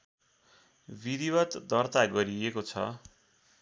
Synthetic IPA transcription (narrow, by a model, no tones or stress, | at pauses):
bid̪ibʌt̪d̪ʌrt̪aɡʌɾiekot͡sʰʌ̰